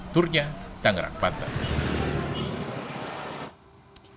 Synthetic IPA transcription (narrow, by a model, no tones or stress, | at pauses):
t̪urɲat̪aŋɾa̰k̚pat̪a̰